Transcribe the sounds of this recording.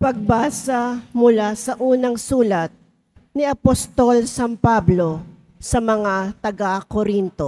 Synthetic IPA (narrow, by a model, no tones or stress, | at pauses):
pɐɡ̚baːsɐmʊlasɐʔuːnɐŋsuːlɐt̪̚ | nɪɐpost̪olsɐmpablo̞ | sɐmɐŋat̪ɐɡakoɾint̪o